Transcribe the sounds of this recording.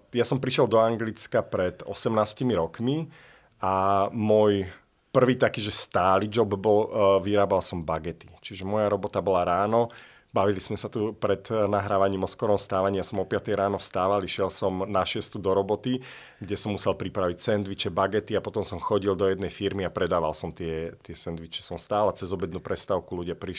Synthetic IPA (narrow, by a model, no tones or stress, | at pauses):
jasɔmpɾiʃjɛlˠd̪ɔaŋɡlit͡skapɾɛd̪ɔ̰sɛmnaːscimiɾɔkmi | amɔj | pr̩ʋiːt̪akiːʒɛst̪aːliːd͡ʒɔbbɔlʋiɾaːbalsɔmbaɡɛt̪it͡ʃiʒɛmɔjaɾɔbɔt̪abɔlaɾaːnɔ | baʋilismɛsat̪upɾɛt̪naɦɾaːʋaɲiːmɔskɔɾɔmst̪aːʋaɲiasmɛɔpɪat̪ɛjɾaːnɔfst̪aːʋaliʃɪɛlsɔmnaʃɪɛst̪ud̪ɔɾɔbɔt̪i | ɡɟɛsɔmːusɛlpɾipɾaʋicsɛnd̪ʋit͡ʃɛbaɡɛt̪iapɔt̪ɔmsɔmxɔɟild̪ɔjɛd̪nɛjfiɾmiapɾɛd̪aːʋalsɔmt̪ɪɛt̪ɪɛsɛnd̪ʋit͡ʃɛ̥sɔmst̪aːlat͡sɛzɔbɛd̪nupɾɛst̪aʊkuluɟɪapɾiʃ